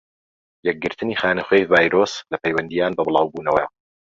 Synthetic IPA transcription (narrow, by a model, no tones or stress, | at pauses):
jɛk̚ɡɨɾt̪ʰɨniːxaːnɐχwejvaːjɾoːslɐpʰɛjwɐnd̪ijaːnbɐbɨlˠaːwbuːnɐwɐj